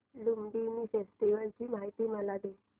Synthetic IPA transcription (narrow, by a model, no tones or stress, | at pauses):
lumɖiːmiːfesʈiʋəlt͡ɕiːmaɦit̪iːməlad̪e